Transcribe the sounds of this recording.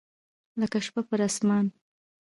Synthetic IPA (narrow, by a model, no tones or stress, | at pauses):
ləkaʃpapəɾasmɑn